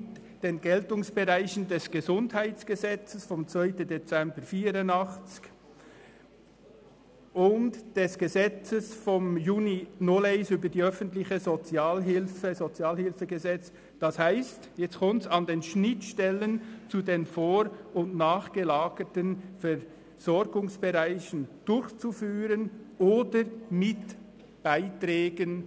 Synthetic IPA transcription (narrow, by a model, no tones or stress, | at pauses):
d̥eːnɡɛltʊŋsb̥əʁaɪçəndɛsɡ̥əzʊndhaɪt͡sɡ̥əzɛt͡səsfɔmt͡svœʏtən̩det͡sɛmbəɾfiːɾʊndɑχt͡sɪ̥ç̥ | ʊntd̥ɛsɡ̥əzɛt͡səsfɔmjuːninoleɪsyːbədiːœfən̩tlɪçəzot͡sjaːlɦɪlfəzot͡sjaːlhɪlfəɡəzɛt͡s | d̥ɑshaɪstjɛt͡skʰɔmtsɑndeːnʃnɪtʃtɛlənt͡sudeːnfoːɾʊntnaːχɡ̥əlaːɡətənfɛʁ | z̥ɔɾɡʊŋsb̥eʁaɪçənd̥ʊɾçt͡sufyːʁənʔoːdəɾmɪt | b̥aɪtrɛːɡən